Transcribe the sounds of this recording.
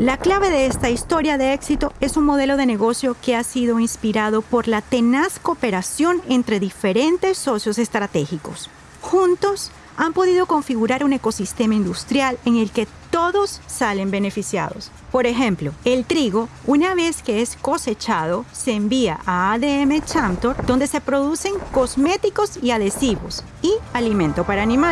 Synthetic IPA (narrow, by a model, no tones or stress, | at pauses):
laklaβe̞ðe̞est̪aist̪o̞ɾjaðe̞eksit̪o̞e̞suŋmo̞ð̞e̞lo̞ð̞e̞ne̞ɣo̞sjo̞ke̞asiðo̞inspiɾaðo̞po̞ɾlat̪e̞nasko̞pe̞ɾasjo̞ne̞nt̪ɾe̞ðife̞ɾe̞nt̪e̞sːo̞sjo̞se̞st̪ɾat̪e̞xiko̞̰s | xunt̪o̞s | ampo̞ðiðo̞ko̞ɱfiɣuɾaɾune̞ko̞sist̪e̞maind̪ust̪ɾjaleŋe̞lke̞t̪o̞ðo̞sːale̞mbe̞ne̞fisja̰ðo̞̰s | po̞ɾe̞xẽ̞mplo̞e̞lt̪ɾiɣo̞ | unaβe̞ske̞esko̞se̞t͡ʃaðo̞se̞ːmbia̰ʔaaðeeme̞t͡ʃamt̪oɾd̪o̞nd̪e̞se̞pɾo̞ðuse̞ŋko̞zme̞t̪iko̞siaðe̞siβo̞̰s | ialimẽ̞nt̪opaɾaːnĩma